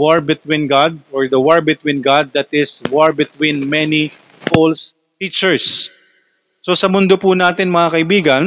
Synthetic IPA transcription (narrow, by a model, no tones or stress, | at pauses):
waɹbɪt̪wĩnɡad̪̚ɔɹd̪ɐwaɹbɪt̪wĩnɡad̪̚ːɐt̪ɪswaɹbɪt̪wĩnmɛni | fols | t̪it͡ʃɛɹs | osɐmʊnd̪opʊnaːt̪ɪnmɐŋakɐʔɪbiːɡɐn